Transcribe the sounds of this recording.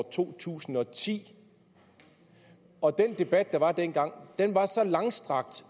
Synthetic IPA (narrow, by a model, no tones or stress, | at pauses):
t͡sʰo̝̰ːt͡sʰṵːsn̩ɒ̽t͡sʰḭː | ɒ̽d̥end̥e̝b̥æd̥̚ːɑ̈ʋɑ̈d̥en̰ɡ̥ɑ̈ŋ̰d̥enʋɑ̈sɒ̽lɑ̈ŋsd̥ʁɑ̈ɡ̥d̥